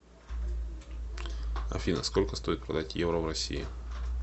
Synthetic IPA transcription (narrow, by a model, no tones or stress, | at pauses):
ɐ̰fʲinəsko̞lʲkəst̪o̞ɪt̪̚pɾɐd̪atʲjevɾəvrɐsʲḭjɪ̰